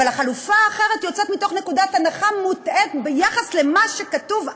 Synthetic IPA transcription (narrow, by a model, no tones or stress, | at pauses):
alaχalufaːχe̞ʁe̞t̪jo̞t͡set̪mito̞χne̞kudatanaχamutetbejaχasle̞maʃe̞katuv